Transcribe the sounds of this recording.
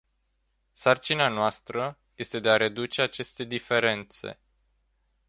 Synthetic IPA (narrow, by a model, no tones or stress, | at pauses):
sart͡ʃinanoast̪ɾə | je̞st̪e̞d̪e̞aɾe̞d̪ut͡ʃe̞at͡ʃe̞st̪e̞d̪ife̞ɾe̞nt̪se̞̰